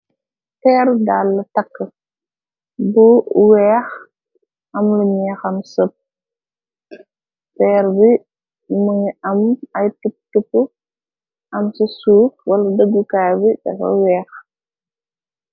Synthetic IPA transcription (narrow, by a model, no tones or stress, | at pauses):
tɛːrdaːlːɐtɐkːə | buwɛːx | ʔɐmluɲɛːxɐmsəp̚ | fɛːɾbi | muɲɐmɐjtup̚tupːu | ʔɐmsəsuːf̚wɐlɐdəɡːukaːjbidɐ̰kɐ̰wɛːx